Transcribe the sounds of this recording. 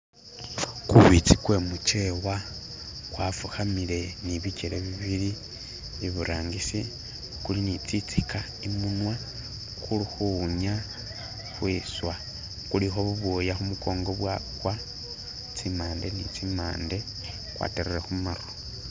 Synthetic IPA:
kuβit͡sikwe̞mut͡ʃe̞wa | kwafuxamile̞niβiceɾeβiβiɾi | iβuɾʔaːŋɡisi | kulinit͡sit͡sika | imunwa | xulixuɲa | xwiswa | kulixo̞βuβojaxumuko̞ːŋɡo̞βwakwa | t͡simaːnde̞nḭt͡simaːnde̞ | kwa̰ːteɾeɾexumaɾo

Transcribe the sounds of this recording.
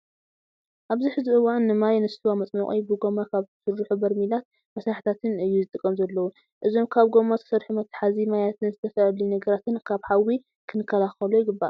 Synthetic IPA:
ʔaβziħɨzɨʔɨwanːɨmajnɨst̪ʰuwamɐt͡sʼmɐχʼḭbɨɡo̞makʰaβtsɨɾːuħubɐɾmilat̪̚ | mɐsɾaħi̥t̪ʰat̪ʰɨnɨjːuzɨt̪ʼɨkʼːɐmzɐlːɐwu | ʔɨzo̞mkʰaβɡo̞mat̪ʰɐ̥sɐɾħumɐt̪ʰːḁħazimajat̪ʰɨnzɨt̪ʰɐfɐlinɐɡɐɾat̪ɨnkʰaβħawi | kʰɨnɨkʰːɐlaxɐlujɪɡɨbːa̰ʔ

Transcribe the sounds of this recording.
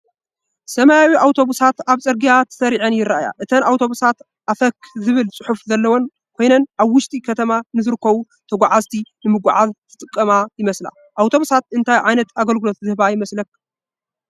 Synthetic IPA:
sɐmajawiʔawt̪ʰo̞βusat̪aβt͡sʼɐɾɡijat̪ʰɐ̥sɐɾiʕɐnjɪɾaʔaja̰ʔɨt̪ʰɐnawt̪ʰo̞βusat̪ | ʔafɐkːzɨβɨlt͡sʼɨħufzɐlːɐwon | kʰʷo̞jnɐnʔaβwʊʃt̪ʼikʰɐt̪ʰɐmanɨzɨɾɨkʰːɐβu | t̪ʰɐɡʷaʕazt̪ʰinɨmɨɡʷaʕazt̪ʰɨ̥t̪ʼɨkʼːɐmajɪmɐsla̰ | ʔawt̪ʰo̞βusat̪ɨnt̪ʰajʕajnɐt̪aɡɐlɡɨlo̞t̪̚zɨhbajɪmɐslɐk̚

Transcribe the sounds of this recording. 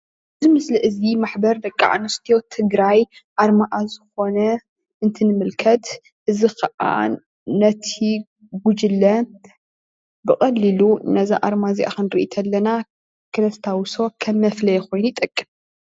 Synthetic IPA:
ʔɨzimɨsliʔɨzimaħbɐɾd̪ɐkʼːa̰ʕa̰nɨst̪ʰjo̞t̪ʰɨɡɾajʔaɾmaʔazɨxo̞nɐ | ʔɨnt̪ʰɨnɨmɨlkʰɐt̪ | ʔɨzixɐʔa̰ | nɐt̪ʰi | ɡʷud͡ʒɨlːɐ | bɨkʼɐlːilunɐzaʔaɾmaziʔa̰xɨnɾɨʔit̪ʰɐlːɐna | kʰɨlɐst̪ʰawso̞kʰɐmːɐflɐjɛko̞jnujit̪ʼɐkʼːɨm

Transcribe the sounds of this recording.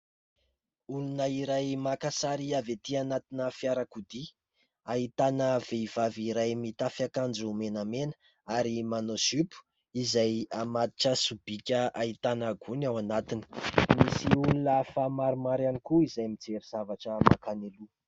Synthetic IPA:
ulunəiɾajmakasaɾiavet̪ianat̪inəfiaɾakud̪i | ait̪anəveiv̥aviɾajmit̪afiakand͡ʒumenamenə̥ | aɾimanozypu̥ | izajamat̪i̥ʈ͡ʂəsub̥ikʲəait̪anaɡunawanat̪ini̥misiulunəfamaɾumaɾanikuizajmid͡zeɾiz̥avaʈ͡ʂəmakanelu

